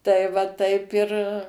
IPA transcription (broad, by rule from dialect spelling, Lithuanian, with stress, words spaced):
tɐɪ ˈʋɐ ˈtɐɪp ɪr